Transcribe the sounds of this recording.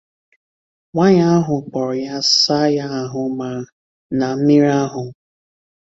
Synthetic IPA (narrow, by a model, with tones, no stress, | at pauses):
ŋʷa˦ɲa˦a˦ɦʊ˨k͡pɔ˨ɾʊ˨ja˦sa˦ja˦a˨ɦʊ˨ma˨ | na˨m̩˦mi˦ɾa˦ɦʊ˨